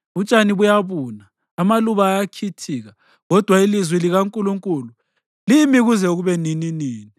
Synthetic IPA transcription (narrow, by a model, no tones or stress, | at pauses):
ut͡ʃʼaniβujaβuːnaː | maluβaːjakʰitʰiːɣa | ɣɔd̥ʱwailizwiliɣaŋkʼuluŋkʼulu | limiɣuzɛuɣuβɛnininiːni